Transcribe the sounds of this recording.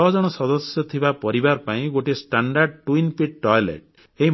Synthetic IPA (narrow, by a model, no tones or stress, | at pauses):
ɔd͡ʒɔɽ̃ɔsɔd̪ɔsjɔt̪ʰibapɔɾibaɾpaĩɡoʈisʈaɳɖaɾɖʈwinpiʈ̚ʈɔjlḛʈ | eɦi